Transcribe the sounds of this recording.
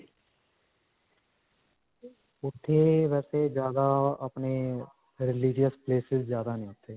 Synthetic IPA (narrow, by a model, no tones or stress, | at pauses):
ʊt̪ʰːeːʋɛːseːd͡ʒjaːd̪aːəpneː | ɾɪlɪd͡ʒijəspleːsɪzd͡ʒjaːd̪aːnĩːʊt̪ʰːeː